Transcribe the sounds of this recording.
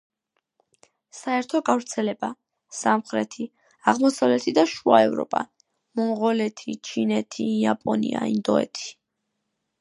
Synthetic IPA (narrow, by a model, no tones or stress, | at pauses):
saɛɾt̪ʰɔɡavɾt̪sʰɛlɛba | samχɾɛt̪ʰi | aʁmɔsavlɛt̪ʰid̪aʃua̰ɛvɾɔ̰pʼa | mɔʁɔlɛt̪ʰit͡ʃʰinɛt̪ʰijapʼɔnḭaind̪ɔɛ̰t̪ʰi̥